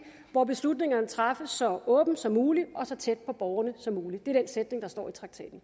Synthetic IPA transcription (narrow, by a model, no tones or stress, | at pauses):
ʋɒb̥e̝slud̥ne̝ŋɐnət͡sʰʁɑ̈fəsːɒ̽ɔ̽ːb̥n̩sɒ̽mːuːliʔɒ̽sɒ̽t͡sʰed̥̚pʰɒ̽b̥ɒʊɐnəsɒ̽muːlid̥e̝æɐd̥ensed̥ne̝ŋd̥ɑsd̥ɒ̰ːit͡sʰʁɑ̈ɡ̥t͡sʰɛ̰ːd̥n̩